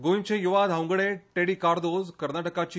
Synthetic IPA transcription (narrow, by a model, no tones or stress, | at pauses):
ɡoint͡ɕẽjuʋad̪ʱɦawŋɡɽeʈeɽikaɾd̪ozkəɾnaʈəkat͡ɕi